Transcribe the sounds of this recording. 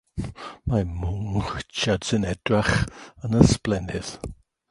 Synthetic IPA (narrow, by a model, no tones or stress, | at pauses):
mamʊŋɪt͡ʃʰadsɪnɛdraχənəsplɛnɪð̥